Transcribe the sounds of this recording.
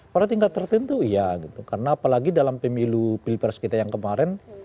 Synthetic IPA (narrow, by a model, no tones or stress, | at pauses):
paɾat̪̬iŋɡat̪ːərt̪ənt̪uijaɡit̪ukarənaːpalaɡidalampəmilupilpərskit̪ajaŋkəmaɾɛn